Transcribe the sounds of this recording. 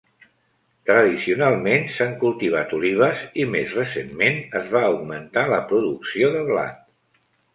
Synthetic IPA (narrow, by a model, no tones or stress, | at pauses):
t̪ɾəðisiunalˠmensaŋkulˠt̪iβ̞at̪uliβ̞əzimezrəsemmenəzβaəwɡmənt̪aləpɾuðuksioðəβla̰t̪̚